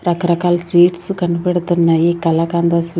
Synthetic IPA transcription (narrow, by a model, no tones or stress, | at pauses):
ɾɐkɐɾɐkaːlsʋiːʈsukɐɳːubeɽut̪unːajikɐlakaːnd̪ɐs